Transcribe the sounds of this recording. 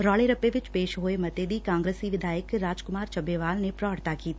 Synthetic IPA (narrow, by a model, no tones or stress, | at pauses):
ɾɔːleɾɐpːeʋɪt͡ʃpeːʃɦoːemɐt̪ed̪ikãːŋɡɾəsiʋɪd̪ʱaːjəkɾaːd͡ʒkʊmaːɾt͡ʃɐbeʋaːlnepɾaəɽt̪akiːt̪ː